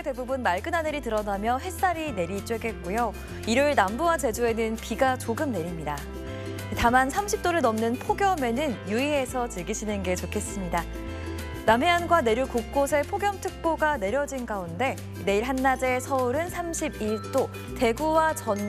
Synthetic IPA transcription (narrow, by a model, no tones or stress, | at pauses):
ete̞bubunmaɭɡɯnaneɾitɯɾʌnamjʌɦe̞s͈aɾine̞ɾit͡ɕ͈we̞ɡe̞t̚k͈ujo | iɾuɭnambuwat͡ɕe̞d͡ʑue̞nɯnpiɡat͡ɕoɡɯmne̞ɾimɲida | itamansʰamɕʰip̚t͈oɾɯɭnʌmnɯnpʰoɡjʌme̞nɯnjuie̞sʰʌt͡ɕɯɭɡiɕʰinɯnɡe̞t͡ɕokʰe̞s͈ɯmɲida | namɦe̞anɡwane̞ɾjukok̚k͈osʰe̞pʰoɡjʌmtʰɯk̚p͈oɡane̞ɾjʌd͡ʑinɡaunde̞ | ine̞iɭɦanːad͡ʑe̞sʰʌuɾɯnsʰamɕʰibiɭt͈o | te̞ɡuwat͡ɕʌn